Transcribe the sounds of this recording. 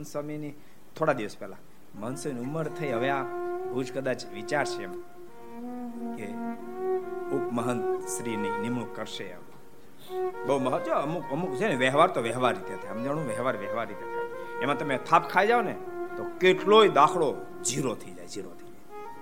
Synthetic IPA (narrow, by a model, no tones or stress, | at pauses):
nsəmini | t̪ʰoɽad̪iʋəspɛla | məɦənsəminiuməɾt̪ʰəiɦəʋeabəud͡ʒkəd̪at͡ʃʋit͡ʃaɾt͡ʃʰeema | ke | upməɦənsɾininimɳukːəɾʃeə̰m | bəɦuməɦət̪oəmukəmukd͡ʒeneʋɛɦʋaɾt̪oʋɛɦʋaɾːit̪eɦət̪ʰeəmd͡ʒaɽ̃ũʋɛɦʋaɾʋɛɦʋaɾːit̪eət̪ʰemãt̪əmet̪ʰapkʰaid͡ʒaonet̪okeʈloid̪akʰɭo | d͡ʒiɾot̪ʰəid͡ʒa̰jd͡ʒiɾo̰t̪ʰəid͡ʒaj